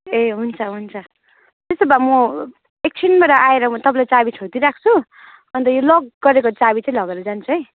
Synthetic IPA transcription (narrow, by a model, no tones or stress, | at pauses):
eɦunt͡sʰʌɦunt͡sʰʌ | t̪est̪obamʌ | ek̚t͡sʰinbaɾʌʔaeɾʌt̪ʌpãlajt͡sabit͡sʰot̪iɾakʰt͡sʰu | ʌnt̪ʌjolʌɡːʌɾekot͡sabit͡saĩlʌɡeɾʌd͡zant͡sʰuj